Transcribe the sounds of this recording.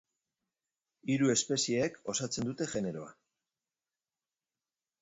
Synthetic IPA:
iɾue̞spe̞sieːko̞sat͡se̞nd̪ut̪e̞ʝe̞ne̞ɾo̞a

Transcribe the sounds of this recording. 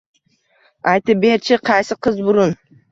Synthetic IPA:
ajt̪ɪp̚beɾt͡ʃʰɪqʰɑjsɪqʰɨzbʊɾʊn

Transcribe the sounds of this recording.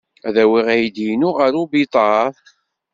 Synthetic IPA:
æðæwiʁæjd̪inʊʁəɾubit̪ˤɑθ

